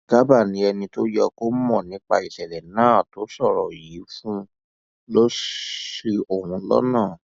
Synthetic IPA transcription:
ɡ̥a˦ba˦˨nĩ˨˦ɛ˧nĩ˧to˦jɛ˧ko˦mɔ̃˦˨nĩ˨˦k͡pa˧i˨sɛ˨lɛ˨nãː˦˨to˨˦sɔ˦˨ɾɔ˨ji˨˦fũ˦ | lo˦si˧o˦˨ɾũ˨˧lɔ̰˦nãː˦˨

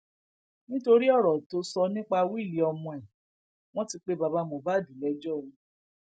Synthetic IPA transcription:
nĩ˦to˧ɾi˦ɔ˦˨ɾɔ˨to˧˦sɔ˧nĩ˦k͡pa˧wi˦i˦˨li˨˦ɔ˧mɔ̃˧ɛ˨ | w̃ɔ̃˦ti˧k͡pe˦ba˧ba˧˦mɔ̃˨ba˦˨dĩ˨lɛ˨˦d͡ʒɔ˦˨ũ˨˦

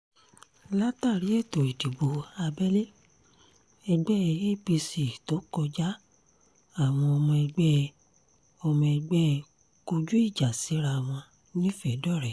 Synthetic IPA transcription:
la˦ta˦˨ɾi˨˦e˦˨to˨i˨di˨bo˨˦a˧bɛ˦le˦ | ɛ˧ɡ͡bɛ˦˧e˦˨bi˧si˨to˨˦kɔ˧d͡ʒa˦ | a˦˨w̃ɔ̃˧ɔ˧mɔ̃˧ɛ˧ɡ͡bɛ˦˧ | ɔ˧mɔ̃˧ɛ˧ɡ͡bɛ˦˧ | ko˧d͡ʒu˦i˦˨d͡ʒa˨si˨˦ɾa˧˨w̃ɔ̃˧ | nĩ˦fɛ˨˦dɔ˦˨ɾɛ˨

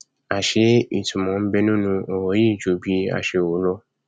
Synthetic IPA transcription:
a˨ʃe˧i˨tũ˨mɔ̃˨˦m̩˦bɛ˧nũ˦nũ˧ɔ˨wɔ˨˦ji˦˨d͡ʒo˨˦bi˧˦a̰˧˨ʃe˧˨wo˨˦lɔ˧

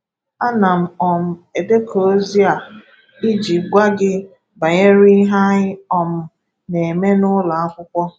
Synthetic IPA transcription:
a˦na˨m̩˨ɔ˨m̩˨e˨de˦kʰo˨o˦zi˦a˨ | i˦d͡ʒi˨ɡʷa˦ɡɪ˦ | ba˨ɲe˦ɾi˦ɦa˦ɲɪ˦ɔ˨m̩˨ | ne˨e˨me˦nʊ˦la˨a˦kʷʊ˦kʷɔ˦

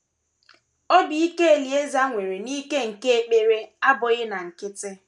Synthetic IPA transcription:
o˦bi˨i˦ke˦e˨li˨e˦za˦ŋʷe˨ɾe˨niː˦ke˦ŋ̩˨ke˦e˦k͡pe˦ɾe˦a˦bʊ˨ɣɪ˦na˨ŋ̩˨kɪ˦tɪ˦

